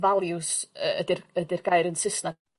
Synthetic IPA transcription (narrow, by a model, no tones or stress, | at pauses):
valˠjusəədɪrədɪrɡ̥aɨɾənsɪsna